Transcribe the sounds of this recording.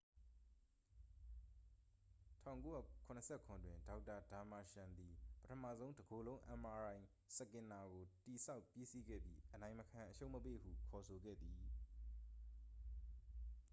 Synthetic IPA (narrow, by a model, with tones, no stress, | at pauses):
tʰã̰˦˨ʊ̃ŋko˦ja̰˦˨kʰʊ̃˨nə˨sʰɛ˦˨kʰʊ̃˨ndwɪ̃˨nda˨˦ʊtːa˨da˨ma˨ʃã˨nd̪i˨pə˦tʰə˨mä̰˦˨zõ˦ʊ̃ndəɡo˨lõ˦ʊ̃ʔã̰˨ma˨ɹã˨ɪ̃ | sə˨kɪ̃˨na˨ɡo˨ti˨sa˦ʊpji˦si˦ɡɛ̰˦˨bjḭ˦ʔənã˨ɪ̃məkʰã˨ʔəʃo˦ʊʔməpḛ˦˨hṵ˦˨kʰɔ˨sʰo˨ɡɛ̰˦˨d̪ði˨